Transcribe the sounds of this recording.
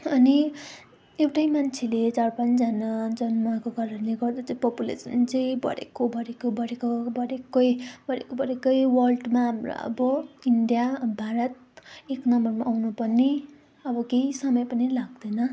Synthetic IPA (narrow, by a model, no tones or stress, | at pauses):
ʌni | ewʈajmant͡sʰelet͡sarpãnt͡sd͡zanad͡zʌnmakoɡʌɾʌnleɡʌrd̪at͡sʌĩpʌpulḛsʌnt͡sʌĩbʌ̰ɾḛkobʱʌɾekobʌɾekobʌɽekːʌjbʌɾekobʌɾekʌjwʌrlɖmaɦamro̰ʌ̰bʌiɳɖijabʱaɾʌt̪̚ | eknʌmʌrmaʔːwnupʌrni | ʌbʌkejsʌmʌjpʌnilaɡd̪ʌnʌ